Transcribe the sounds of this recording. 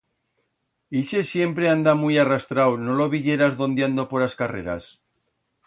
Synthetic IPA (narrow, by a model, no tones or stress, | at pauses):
iʃesje̞mpɾeand̪amujarast̪ɾawno̞loβiʝe̞ɾazðo̞nd̪jand̪opoɾaskarḛɾa̰s